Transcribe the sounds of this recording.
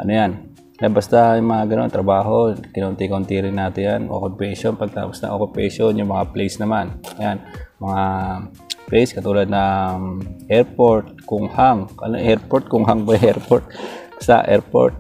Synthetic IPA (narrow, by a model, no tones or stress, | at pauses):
ʔɐnojan | kabast̪ajʊŋmɐŋaɡɐno̞nt̪ɾɐbaːɦo̞kɪnɐʔʊnt̪ikɐʔʊnt̪iɾɪnːaːt̪ɪnjanʔo̰kʊpɛʃonpɐɡ̚t̪a̰ːposnɐ̰ŋʔokʊpɛʃonjʊŋmɐŋaplejsnɐmanjanmɐŋa | plɛjskɐt̪uːlɐd̪̚nɐ | ʔɛɾpoɹt̪̚kʊŋhaŋʔɐ̰no̰ʔɛɾpoɾt̪̚kʊŋɦaŋbɐjʔɛɹpoɾt̪̚ | st̪a̰ʔɛ̰ɹpo̰ɹt̪̚